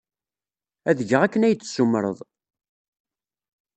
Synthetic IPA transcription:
æðəʝəʁækːənæjət͡sːsːumːəɾˤə̰ðˤ

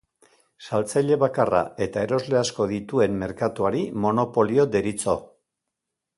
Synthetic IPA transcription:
salt͡sajʎe̞βakara̰e̞t̪ae̞ɾo̞zle̞asko̞ðit̪ue̞mːe̞ɾkat̪uaɾimo̞no̞po̞lio̞d̪e̞ɾit͡so̞

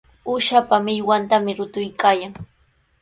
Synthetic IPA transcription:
ʊʃapamɪʎwant̪amɪɾʊt̪ʊjkaːjaŋ

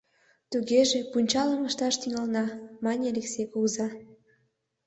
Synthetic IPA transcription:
t̪uɣeʒepunʲt͡ɕɑləməʃt̪ɑʃt̪yŋɑlnɑmɑnʲeleksekozɑ

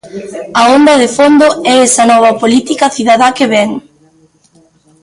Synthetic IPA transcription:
ɐond̪ɐðɪfond̪oɛɛsɐnɔβ̞ɐpolit̪ikɐθiðaðakɪβɛŋ

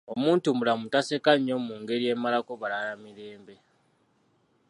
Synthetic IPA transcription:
o̞muːntumulamutase̞kaɲːo̞muːŋɡe̞ɾije̞malako̞βalalamiɾe̞ːmbe̞

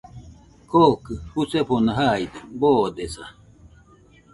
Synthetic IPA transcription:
kʰokɯhuseponaɦaid̪eboːd̪esa̰

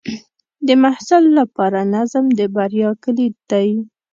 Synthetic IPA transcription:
d̪əmahsalːapɑɾanazmd̪əbaɾjɑkəlid̪̥aj

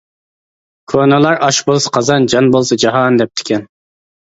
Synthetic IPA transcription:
kʰonɨlˠɑɾɑʃbolˠsɑ̥qʰɑzɑnd͡ʒɑnbolˠsɑd͡ʒɑɦɑnd̪ɛp̚t̪ʰɪ̥kʲɛn

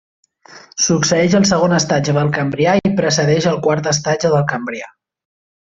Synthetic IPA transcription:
suksəɛʃəlˠsəɣonəst̪ad͡ʒəðəlˠkəmbɾiaipɾəsəðɛʃəlˠkwaɾt̪əs̬t̪ad͡ʒəðəlˠkəmbɾia

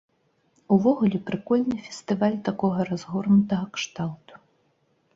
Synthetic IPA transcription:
uvɔɣulʲɛpɾɨkɔlʲnɨfʲɛ̥sʲt̪ɨvalʲt̪akɔɣɐɾazɣurnut̪ɐɣɐkʂt̪alˠt̪u̥

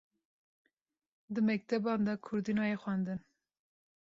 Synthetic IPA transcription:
d̪ɨmɛk̚t̪ʰɛbɑnd̪ɑkʰʊɾd̪inɑjexʷænd̪ɨn

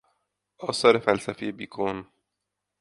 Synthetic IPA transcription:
ʔɒːsɒːɾe̞fælsæfije̞biːkʰon

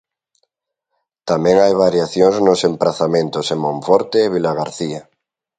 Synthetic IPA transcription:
t̪amẽŋajβaɾjaθjoŋznosempɾaθamẽnt̪osemõɱfoɾt̪eːβ̞ilaɣaɾθia

